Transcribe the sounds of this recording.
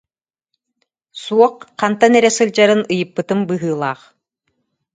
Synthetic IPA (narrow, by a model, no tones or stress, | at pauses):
suɔqqant̪anɛɾɛsɯlʲd͡ʑaɾɯnɯjɯpːɯt̪ɯmbɯɦɯːlˠaːχ